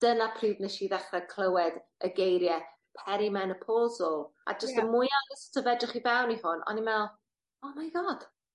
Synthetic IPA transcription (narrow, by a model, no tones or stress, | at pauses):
d̥ənapʰriːvnɛʃiðɛχrɛkʰl̥ˠəwɛdəɡejɾjɛ | pʰɛɾimɛnəpʰoːzɔlˠa̰d͡ʒəstəmʊjanəstʰəvɛdrɪχivɛwnihʊnɔ̰nimɛlˠ | oːmajɡɔd̥